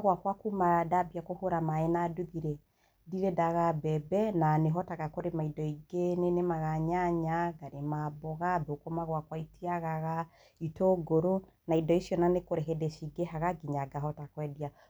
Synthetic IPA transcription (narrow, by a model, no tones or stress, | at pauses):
ɣwakwakumaɾadabiakohoɾamaenaduðiɾɛ | diɾedaɣabɛbɛnaneɦɔtaɣakoɾemaidɔiɡenenemaɣaɲaɲaɡaɾemabɔɣabokomaɣwakwaitiaɣaɣa | itoɡoɾo | naidɔisjɔnanekoɾeɦedeʃiɡehaɣaɡiɲaɡaɦɔtakwɛdia